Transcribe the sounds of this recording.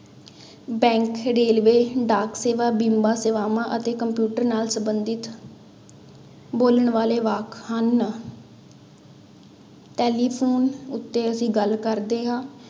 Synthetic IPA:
bɛ̃ːŋkɾeːlʋeːɖaːkseːʋaːbĩːmbaːseːʋaːmãːʔət̪eːkəmpjuːʈəɾnaːlsəmbənd̪ɪt̪ | boːləɳʋaːleːʋaːkhən | ʈɛːliːpʰoːnʊt̪ːeːəsĩːɡəlkəɾd̪eːɦãː

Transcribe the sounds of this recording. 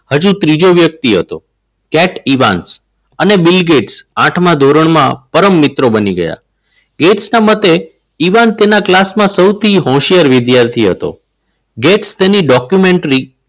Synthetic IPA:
həd͡ʒũt̪ɾid͡ʒoʋjək̚t̪iɦət̪o̰ | kɛʈiʋa̰ns | ənebɪlɡeʈsãʈʰmãd̪ʱoɾəɳmã̰pəɾəmːɪt̪ɾobəniɡə̰ja̰ | ɡeʈsnamət̪e | iʋant̪enaklasmãsəwt̪ʰiɦɔ̃ʃijəɾʋɪd̪jaɾt̪ʰiɦə̰t̪o̰ | ɡeʈst̪eniɖɔkjumeɳʈɾi

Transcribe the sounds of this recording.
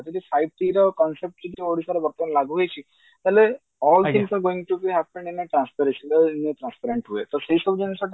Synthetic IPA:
t̪iʈ̪ifajb̚t̪ʰiɾɔkɔnsep̚ʈt͡ʃid͡ʒeoɽisaɾebɔɾt̪ɔnlaɡuɦojt͡ʃʰi | t̪ale | ɔlt̪ʰiŋsaɾɡoĩŋʈubiɦɛpə̃ɳɖineʈɾãnspɛɾeʃənd̪eneʈɾãnspɛɾeɳʈɦuet̪oseisɔbud͡ʒensɔʈ

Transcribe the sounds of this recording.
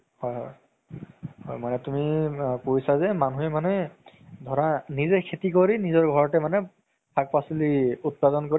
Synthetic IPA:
hɔjɦɔ̰j | hɔ̰jmanɛtumikojsazɛmanuɛmanɛdʱɔɹanizɛkʰetik̬oɹinizɔɹɡʱɔɹɔtɛmanɛ | pʰak̚pasiliut̚padɔnkoɹi

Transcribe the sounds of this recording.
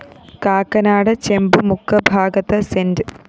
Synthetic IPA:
kaːkɐnaːɽɐt͡ɕembumukʰːɐbʱaːɡɐt̪ɐsendɨ

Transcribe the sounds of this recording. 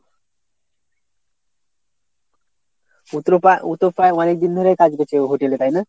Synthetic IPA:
ut̪ɾout̪opaeɔnek̚d̪ind̪ʱoɾejkad͡ʑɡet͡ɕeɦoʈelet̪ajna

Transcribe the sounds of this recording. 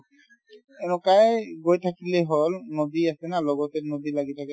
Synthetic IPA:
ɛnɔkajɡojtʰakilɛɦolnodiasɛnalɔɡɔtɛnodilaɡitʰakɛ

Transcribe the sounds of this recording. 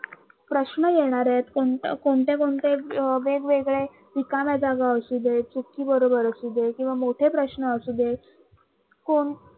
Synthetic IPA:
pɾəɕɳəjeɽ̃aɾet̪koɳkoɳt̪ekoɳt̪eʋeɡʋeɡɭe | d̪ikamad͡zaɡaəsud̪et͡sukːiːbəɾobəɾəsud̪ekĩw̃ʋamoʈʰepɾəɕɳəəsud̪e | koɳ

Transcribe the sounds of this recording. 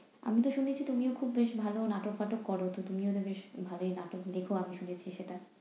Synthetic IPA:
a̰mit̪oʃunet͡ɕʰit̪umiokʰubːeʃbʱalonaʈokpaʈokːɔɾot̪ot̪umiot̪obeʃbʱaloejnaʈokd̪ekʰoamiʃunet͡ɕʰiʃeʈa

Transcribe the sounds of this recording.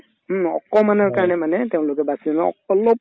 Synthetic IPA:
m̩ɔ̰kɔmanɔɹkaɹɔnɛmanɛteʊ̃lʊkɛbasianɔɔ̰ɔlɔp̚

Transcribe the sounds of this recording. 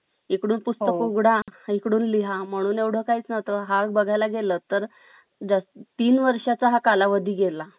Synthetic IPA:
ikɽuːnpust̪əkuɡɽaikɽuːnliɦam̤əɽ̃uːnewɽ̤əːkaɦiːt͡snat̪əɦabəɡʱajlaɡeləːt̪əɾ | d͡zast̪t̪iːnʋəɾʂat͡saɦakalaʋəd̪ʱiːɡela

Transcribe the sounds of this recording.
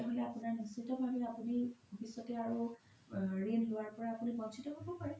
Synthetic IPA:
aɦolɛapunaɹnisitɔbʱabɛapunibobʱisɔtɛaɹu | ɹenlowaɹpɔɹaːpunibɔnsʰitɔɦobɔpaɹɛ

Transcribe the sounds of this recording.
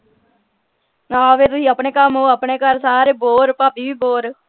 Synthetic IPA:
aːʋeːt̪ʊsĩːəpɳeːkəmɦoːəpɳeːkəɾsaːɾeːboːɾpaːpiːʋiːboːɾ

